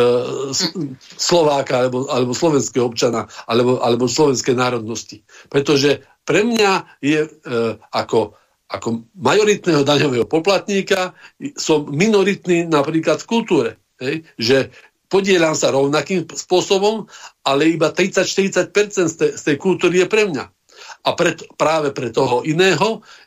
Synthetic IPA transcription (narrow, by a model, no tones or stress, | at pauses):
slɔʋaːkaalɛbɔalɛbɔslɔʋɛnskɛɦɔɔpt͡ʃanaːalɛbɔʔalɛbɔslɔʋɛnskɛjnaːɾɔd̪nɔscipɾɛt̪ɔʒɛ | pɾɛmɲa | jɛ | akɔ | akɔmajɔɾit̪nɛɦɔd̪aɲɔʋɛɦɔpɔplat̪ɲiːkasɔmːinɔɾit̪niːnapɾiːklat̪fkult̪uːɾɛ | ɦɛjʒɛ | pɔɟɪɛʎamsaɾɔʊnakiːmspʊɔsɔbɔmalɛjɛibat̪ɾit͡sacʃt̪iɾit͡sac̚pɛɾt͡sɛnt̪t̪ɛst̪ɛjkult̪uːɾijɛpɾɛmɲa̰ | apɾɛt̪ɔpɾaːʋɛpɾɛt̪ɔɦɔʔinɛːɦɔ